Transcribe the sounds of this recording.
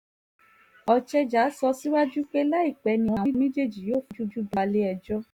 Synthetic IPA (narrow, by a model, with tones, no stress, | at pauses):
ɔ˧t͡ʃɛ˧d͡ʒa˨˦sɔ˧si˦wa˦d͡ʒu˦k͡pe˦la˦i˦˨k͡pɛ˨˦nĩ˧w̃ɔ̃˧˨ĩ˦mẽ˦d͡ʒe˦˨d͡ʒi˨joː˦˨fu˨˦d͡ʒu˦d͡ʒu˦ba˧le˦ɛ˧d͡ʒɔ˦